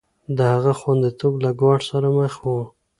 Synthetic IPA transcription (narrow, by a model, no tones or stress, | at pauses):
d̪əhaɣaxwand̪it̪oblaɡwɑʈsaɾaməxwu